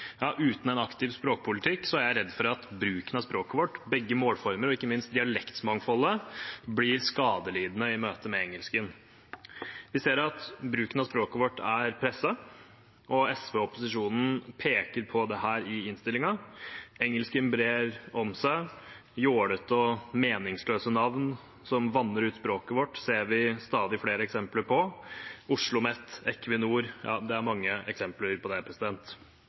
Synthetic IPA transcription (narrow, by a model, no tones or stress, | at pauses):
jɑːʔʉːt̪n̩ɛnɑkt̪ɪʋspɾoːkə̥pʰʊlɪt̪ʰɪkːsɔæɾjæɪɾɛd̪ːfɔɾɑt̪bɾʉːkənɑspɾoːkəʋɔʈːbɛɡːəmoːlfɔɾməɾɔɪkːəmɪnst̪̚d̪ɪɑlɛkt̪mɑŋfɔləblɪɾskɑːd̪əliːd̪n̩əɪmøːt̪əmɛɛŋəlskən | ʋɪseːɾɑt̪bɾʉːkənɑspɾoːkəʋɔʈːæɾpʰɾɛsːɑ | ʔɔɛsʋeɔpʊsɪʂuːnn̩pʰeːkəɾpʰɔd̪ɛhæːɾɪɪnst̪ɪlɪŋɑɛŋːəlskɪmbɾeːɾɔmsæɪ | joːɽət̪ɔmeːnɪŋsløːsənɑʋn | sɔmʋɑnəɾʉːt̪spɾoːkəʋɔʈːseːɾʋɪst̪ɑːd̪ɪfleːɾəɛksɛmpləɾpʰɔʊʂɭʊmɛt̪ːɛkːʋɪnuːɾjʔɑ̰ːd̪ɛæɾmɑŋːəɛksɛmpləɾpʰɔd̪ɛpʰɾɛsɪd̪ɛnt̪